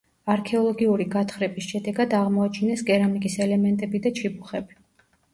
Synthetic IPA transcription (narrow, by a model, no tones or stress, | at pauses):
aɾkʰɛɔlˠɔɡiuɾiɡat̪ʰχɾɛbisʃɛd̪ɛɡad̪aʁmɔat͡ʃʰinɛsɡɛɾamikʼisɛlɛmɛnt̪ʼɛbid̪at͡ʃʰibuχɛbi